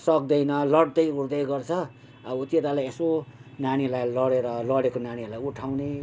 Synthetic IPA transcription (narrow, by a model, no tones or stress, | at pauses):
sʌk̚d̪ʌjnʌlʌɽd̪ʌjuɽd̪ʌjɡʌrt͡sʰʌ | abut̪jet̪alajesonaɽ̃ilajlʌɽeɾʌlʌɽekonaɽ̃ilajuʈʰawne